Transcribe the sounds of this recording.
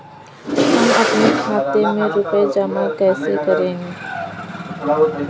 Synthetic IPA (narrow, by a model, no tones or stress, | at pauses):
hɐmɐpnekʰaːt̪emẽɾʊpəed͡ʒaːmãkɛːsekəɾẽːɡeː